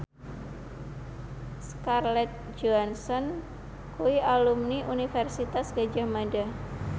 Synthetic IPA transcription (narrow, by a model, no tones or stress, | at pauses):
skarlɛt̪̚d͡ʒɔansɔn | kuiʔalumniʔunifɛrsit̪asɡad͡ʒamada